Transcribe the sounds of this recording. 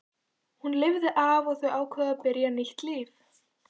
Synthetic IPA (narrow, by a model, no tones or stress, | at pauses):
hunlɪvðɪʔaːvɔɣθœɥʔaːwkʰvɛːðapɪɾjanɪht̪liːf